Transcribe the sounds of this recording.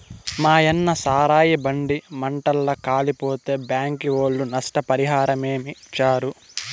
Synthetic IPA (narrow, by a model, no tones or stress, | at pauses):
maːjɐnːɐsaːɾaːjibɐɳɖimɐɳʈɐlːɐkaːlipo̞ːt̪e̞ːbjaːŋkiʋoːɭːunɐsʈɐpɐɾiɦaːɾɐmeːmit͡ʃaːɾu